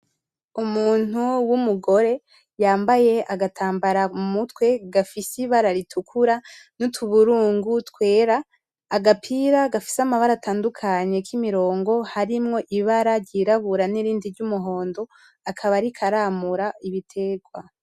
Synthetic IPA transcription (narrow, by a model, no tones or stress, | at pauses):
umuːn̥uwumuɡo̞ɾe̞ | jaːmbaje̞ʔaɡatʰaːmbaɾamutwe̞ɡafisiβaɾaɾitʰukʰuɾanutʰuβuɾuːŋɡutkwe̞ːɾaː | ɡapʰiɾaɡafi̥samaβaɾataːndukʰaɲe̞kimiɾo̞ːŋɡo̞haɾimŋo̞ʔiβaɾaɾɟiɾaβuɾaniɾiːndiɾɟumuɦo̞ːndo̞ | akʰaβaɾikʰaɾamuɾaiβitʰe̞ɡwa